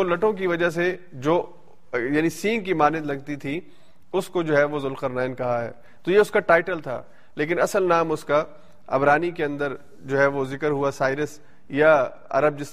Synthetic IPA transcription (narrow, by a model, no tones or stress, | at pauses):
olɐʈõk̬iʋɐd͡ʒas̬e | d͡ʒoː | jaːnisiːŋkimaːnɪd̪lɐɡ̚t̪it̪ʰi | ʊskod͡ʒoːɦɛʋozʊlqəɾnaːɪnkɐɦaɦɛ̰ː | t̪ojeʊskaʈaːɪʈəlt̪ʰa̰ː | leːk̬ɪnɐsəlnaːmʊska | ɐ̰bɾaːnikeɐ̃nd̪əɾ | d͡ʒoːɦɛʋozɪkəɾɦuasaːɪɾəs | ja | ɐ̰ɾəb̚d͡ʒɪs